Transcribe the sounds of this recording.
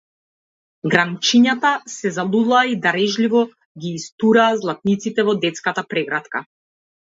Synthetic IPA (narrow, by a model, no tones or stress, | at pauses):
ɡɾamt͡ʃiɲat̪asɛzalˠulˠaːid̪aɾɛʒlivɔ | ɡʲiːst̪uɾaːzlˠat̪̚nit̪sit̪ɛvɔd̪ɛt̪skat̪apɾɛɡɾat̪ka